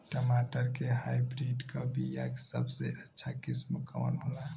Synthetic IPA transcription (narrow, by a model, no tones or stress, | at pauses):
kəmaʈəɾkeɦajbɾiɖkʰabijaksə̰bseʔətːʃʰakismuka̰wə̰nɦola